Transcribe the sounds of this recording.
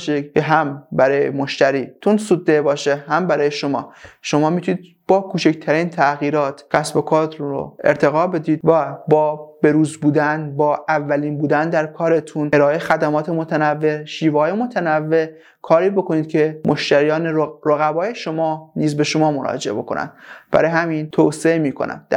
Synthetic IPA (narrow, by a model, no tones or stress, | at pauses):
ʃeceɦæmbæɾɒːjḛmoʃt̪æɾiːt̪ʰunsud̪ːebɒːʃeɦæmbæɾɒːjeʃomɒːʃo̞mɒːmit̪ʰunid̪ | b̥ɒːkʰuːt͡ʃect̪ʰæɾiːnt̪ʰæɣiːɾɒːt̪ʰcæsbo̞kʰɒːt̪ɾo̰eɾt̪ʰe̞ɣɒːbe̞d̪iːd̪̥̚væbɒːb̥e̞ɾuːzbuːd̪ænbɒːʔævːæliːnbuːd̪ænd̪æɾkʰɒːɾe̞t̪ʰuneɾɒːʔexæd̪æmɒːt̪ʰe̞mo̞t̪ʰænævːe̞ʃiːvːjemo̞t̪ʰænævːe̞ | kʰɒːɾiːbo̞kʰo̞niːd̪̥̚cʲʰe̞mʔoʃt̪æɾijɒːneɾɾoɣæbɒːje̞ʃo̞mɒːniːzbe̞ʃo̞mɒːmoɾɒ̰ːd͡ʒeʔebo̞̰kʰo̞̰næ̰nd̪̥b̥æ̰ɾɒːjeɦæmint̪ʰoseemiːkʰo̞̰næ̰nd̪æ